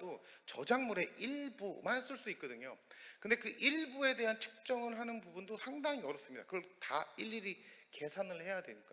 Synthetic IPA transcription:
dot͡ɕʌd͡ʑaŋmuɾe̞ʔiɭbumans͈ɯɭs͈uik̚k͈ʌdɯɲokɯnde̞kɯʔiɭbue̞de̞ɦant͡ɕʰɯ̥k̚t͡ɕ͈ʌŋɯɭɦanɯnbubundosʰaŋdaŋiʌɾʌps͈ɯmɲidakɯɾʌɭtaiʎːiɾike̞sʰanɯɭhe̞jadwenɯk͈a

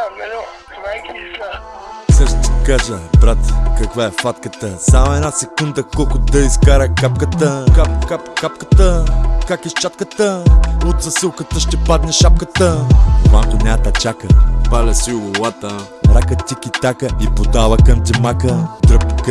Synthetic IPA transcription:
sɛʃt̪t̪i̥kaʒəbɾat̪kɐkvaɛfat̪kət̪əsamʊɛdnasɛkund̪əkɔlˠkʊd̪ɐiskaɾɐkap̚kət̪əkapkapkapkə̥t̪əkakist͡ʃat̪̚kət̪əʊt̪sɐsɨlˠkət̪əʃt̪ɛpad̪nɛʃap̚kət̪əvaŋkʊnʲat̪ɐt͡ʃakəpalʲɐsiʊɡʊlˠat̪ə | ɾakət̪ʲikit̪akəipod̪avɐkɐmt̪ɛmakəd̪ɾəpk

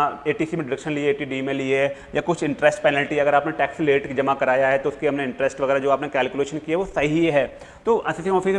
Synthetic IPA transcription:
eːʈiːsimẽɖɪɽəkʃənlieeːʈiɖimẽliejakʊt͡ʃʰɪ̃ɳʈɾɛsʈpɛːnɛlʈiɐɡəɾaːpneʈɛːksleːʈkid͡ʒɐmakɐɾaːjaɦɛt̪oʊskiɦɐmneɪ̃ɳʈɾɛsʈʋɐɣɛːɾad͡ʒoːaːpnekɛːlkjuleːʃənkiɛʋosɐɦieɦɛː | t̪oːʔɐsisimɔ̃fʰik

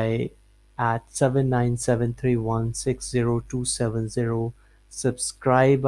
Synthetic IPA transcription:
ɪ | æʈsɛʋə̃nːãɪ̃nsɛʋə̃nt̪ʰɾiːʋʌ̃nsɪksz̥iɾoʈuːsɛʋə̃nziɾo | səbskɾaɪb

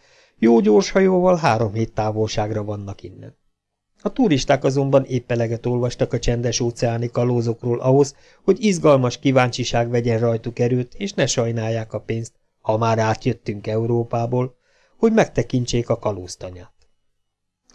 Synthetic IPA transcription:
joːɟoːrʃhɒjoːvɒlɦaːɾo̞mɦeːt̪ːaːvolʃaːɡrɒvɒnːɒkinːɛ̰n | ɒt̪uɾiʃt̪aːkɒzo̞mbɒneːpːɛlɛɡɛt̪o̞lvɒʃt̪ɒkɒt͡ʃɛnd̪ɛʃoːt̪sɛaːnikɒloːzo̞kroːlʔɒɦo̞z | ho̞ɟizɡɒlmɒʃkivaːɲt͡ʃiʃaːɡʋɛɟɛnrɒjt̪ukɛɾylt̪eːʃnɛʃɒjnaːjːaːkɒpeːnst̪̚ | hɒmaːɾaːt̪jø̞t̪ːyŋkɛuɾoːpaːboːl | ho̞ɟmɛk̚t̪ɛkiɲt͡ʃeːkɒkɒloːst̪ɒɲaːt̪

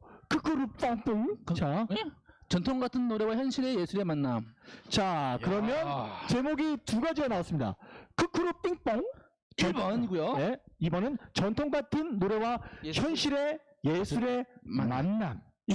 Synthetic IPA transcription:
kʰɯkʰɯɾup͈ʌŋp͈iŋt͡ɕa | t͡ɕʌntʰoŋɡatʰɯnːoɾe̞waçjʌnɕʰiɾe̞je̞sʰuɾe̞manːat͡ɕakɯɾʌmjʌnt͡ɕe̞moɡituɡad͡ʑiɡanaas͈ɯmɲida̰kɯkʰuɾup͈iŋp͈ʌŋ | ɲiɡujoneibʌnɯnt͡ɕʌntʰoŋɡatʰɯnːoɾe̞waçjʌnɕʰiɾe̞ | je̞sʰuɾe̞mamanːa

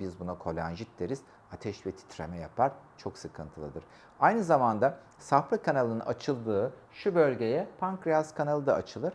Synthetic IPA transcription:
bizbunakʰo̞lʲˠanʒit̪d̪eɾiz̥ | at̪ʰɛʃvɛt̪ʰi̥t̪ʰɾḛmɛjapʰaɾ̥t͡ʃʰo̞ksɯkʰɯnt̪ʰɯlˠɯd̪ɯɾ̥ | ajnɯzamand̪a | safɾakʰanalˠɯna̰t͡ʃʰɯlˠd̪ɯː | ʃubølʲɟe̞jɛpʰaŋkɾijaskʰanalˠɯd̪a̰ːt͡ʃʰɯlˠɯɾ̥

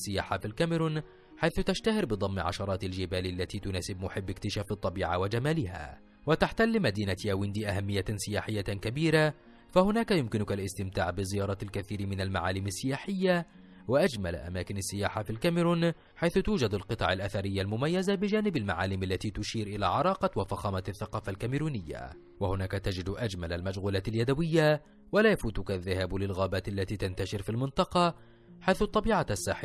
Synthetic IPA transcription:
sːɪjaːħafilkamɪɾuːn | ħajθʊt̪aʃt̪ahɪɾbɨd̪ˤɑmːʕɑ̰ʃɑɾˤɑːt̪ald͡ʒɪbaːlalːat̪iːt̪ʊnaːsɪbmʊħɪbːɪkt̪ɪʃaːfɑt̪ˤːɑbiːʕa̰wad͡ʒamaːlɪɦa̰ː | wat̪aħt̪alːɪmad̪iːnat̪jawɪnd̪iːʔaɦamːɪjːasɪjaːħɪjːakabiːɾa | fahʊnaːkajʊmkɪnʊkalʔɪst̪ɪmt̪a̰ːʕbɪzɪjɑːɾˤɑːt̪alkaθiːɾmɪnalma̰ʕaːlɪmasːɪjaːħɪjːa | waʔad͡ʒmal̰ʔa̰maːkɪnasːɪjaːħafilkamɪɾuːn | ħajθʊt̪uːd͡ʒad̪alqɨt̪ˤɑ̰ʕalʔaθaɾɪjːalmʊmajːazabɪd͡ʒaːnɪbalma̰ʕa̰ːlɪmalːat̪iːt̪ʊʃiːɾʔɪla̰ːʕɑɾˤɑːqɑwafaxaːmaaθːaqɑːfalkamɪɾuːnɪjːa̰ | wahʊnaːkat̪ad͡ʒɪd̪ʔad͡ʒmalalmad͡ʒɣuːlaːt̪aljad̪awɪjːa | walaːjafuːt̪ʊkaðːahaːblɪlɣaːbaːt̪ʔalːat̪iːt̪ant̪aʃɪɾfilmɪnt̪ˤɑqɑ | ħajθʊt̪ˤːɑbiːʕaasːaːħɪ

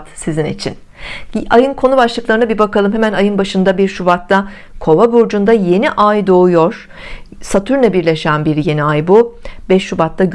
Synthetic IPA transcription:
t̪sizinḭt͡ʃʰḭn | ajɯnkʰo̞nubaʃlˠɯklˠaɾɯnabibakalˠɯmhɦemænajɯnbaʃɯnd̪abiɾʃubat̪ːa | kʰo̞vabuɾd͡ʒund̪aje̞niʔajd̪o̞ujoɾ̥ | sat̪ʰyɾnɛbiɾlʲe̞ʃænbiɾje̞niajbubɛʃːubat̪ʰːaɟ

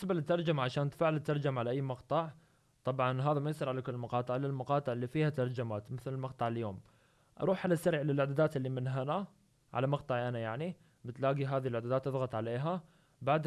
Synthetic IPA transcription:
sbalɪt̪ːɑɾˤd͡ʒamaʕaʃaːnt̪faʕlɪt̪ːɑɾˤd͡ʒamaʕalaʔajːmɑqt̪ˤɑʕ | t̪ˤɑbʕɑnɦaːðamajɪsˤɨɾʕalakʊlːɪlmɑqɑːt̪ˤɪʕlalmɑqɑːt̪ˤɨʕɪlːifiːhat̪ɑɾˤd͡ʒamaːt̪mɪθlɪlmɑqt̪ˤɑʕɪljoːm | ʔɑ̰ɾˤuːħʕalasːaɾʕlɪlʕad̪aːd̪aːt̪ʔɪlːimɪnɦana | ʕa̰lamɑqt̪ˤɑʕʔanajaʕni | bɪt̪laːɡiɦaːðɪhɪlʕad̪ad̪aːt̪ʔɑθˤɣɑt̪ˤʕaleːɦa | baʕd̪

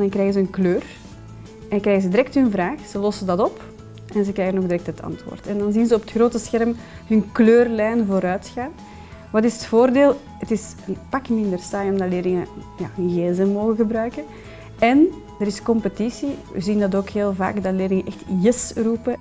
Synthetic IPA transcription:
dɑnŋkrɛːɣəzəənkløːr | ɛkrɛːɣəzədiɾɛk̚tɦɵnvraːxz̥əlɔsədɑtɔp | ɛnzəkɾɛːɣənoːɣdəɾɛk̚tɦətʰɑ̰ntwo̰ːrtɛndɑnzinzəɔpətxroːtəsxɛrm | hɵnkløːrlɛːnvoːɾœːtxaːn | ʋɑtɪsə̥tfoːrdeːlˠ | ətɪs | ənpɑkmɪndərsaːjɔmdɑtleːrlɪŋəja̰ːnɣeːzəmoːɣəɣəbrœːkə | ɛn | dəɾɪskɔmpətisiʋə̰zindɑtoːkɦeːlˠva̰ːkdɑleːrlɪŋəʔɛxtjəsruːpə

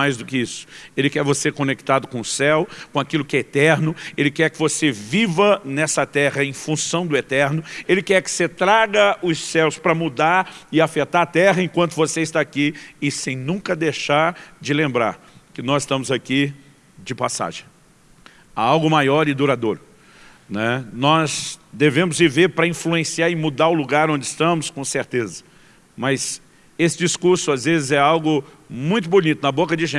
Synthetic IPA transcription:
majzd̪ʊkɪisʊ̥elɪkɛɾvosekõnek̚t̪ad̪ʊkõʊsɛwkõakilʊkɪɛet̪ɛɾnʊelɪkɛɾkɪvosevivɐnɛsɐt̪ɛʁɐẽj̃fũsɐ̃w̃d̪ʊet̪ɛɾnʊelɪkɛɾkɪ̥set̪ɾaɡɐʊsːɛwspɾɐmud̪aɾɪafet̪aɾat̪ɛɦɐẽkwɐ̃nt̪ʊvoseist̪aakiɪsẽj̃nũkɐd̪eʃaɾd͡ʒɪlẽmbɾa̰ɾ | kɪnɔzɪst̪ɐ̃mʊzaki | d͡ʒɪpasa̰ʒẽj̃ | aawɡʊmajɔɾɪd̪uɾad̪oɾʊ | nɛnɔzd̪evẽmʊzviveɾpɾɐĩfluẽsiaɪmud̪aɾʊluɡaɾõnd͡ʒɪɪst̪ɐ̃mʊskõseɾt̪ezɐ | mɐz | esɪd͡ʒiskuɾsʊazvezɪzɛawɡʊ | mũj̃t̪̬ʊbunit̪ʊnɐbokɐd͡ʒɪʒẽ

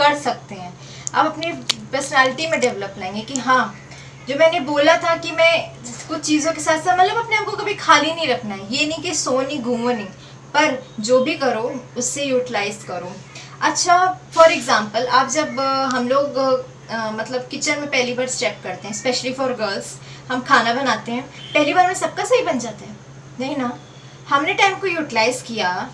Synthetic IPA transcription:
kɐɾsɐk̚t̪eɦɛ̃ː | ɐ̰bɐpnepəːɾsənɛːlɪʈimẽɖɛʋləplãẽːŋɡekiɦãː | d͡ʒoːmɛ̃ːneboːlat̪ʰakimɛ̃kʊt͡ʃʰt͡ʃiːzõkesaːt̪saːt̪mɐt̪ləbɐpneaːp̚kokɐbʱikʰaːlinɐĩɾɐkʰnaɦɛjenɐĩkisoːnĩɡʱũːnĩː | pɐɾd͡ʒoːbʱikɐɾoːʊsːejuːʈɪlaːɪzɖkɐɾoː | ɐtːʃʰafɔːɾɪɡzãːmpəlaːp̚d͡ʒɐbɦɐmloːɡ | mɐt̪ləbkɪt͡ʃənmẽpɛɦlibaːɾst͡ʃɛːp̚kɐɾt̪eɦɛ̃spɛːʃəlifɔːɾɡəːlz | hɐmkʰaːnabɐnaːt̪eɦɛ̃ːpɛɦlibaːɾmẽsɐb̚kasɐɦibɐnd͡ʒaːt̪aɦɛ̃ː | nɐɦĩna | hɐmneʈaːɪmkojuːʈɪlaːɪzkija

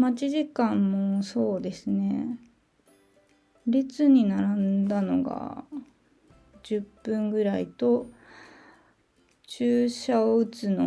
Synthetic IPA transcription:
mat͡ɕiʑikãmːoso̞ːd̪e̞sɨne̞ | ɾet͡sɨɲ̟inaɾãnd̪ano̞̰ɡa̰ | d͡ʑɨpːɯ̟̃ŋɡɯ̟ɾait̪o̞ | t͡ɕɨːɕaoɯ̟t͡sɨno

